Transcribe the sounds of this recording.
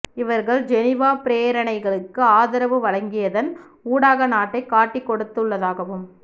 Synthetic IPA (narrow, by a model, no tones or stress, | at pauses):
ɪʋɐɾɣɐɭd͡ʒɛnɪʋaːpɪɾeːɾɐɳɐɪɣɐɭɯkːɯaːðɐɾɐʋɯʋɐɻɐŋɡɪjɐðɐn | uːɽaːɣɐnaːʈːɐɪkːaːʈːɪkːɔɽɯt̪ːɯɭːɐðaːɣɐʋɯm